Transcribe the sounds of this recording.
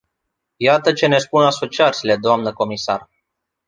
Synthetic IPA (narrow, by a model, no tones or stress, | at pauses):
jat̪ət͡ʃe̞ne̞spunaso̞t͡ʃiat̪sile̞d̪oamnəko̞misa̰r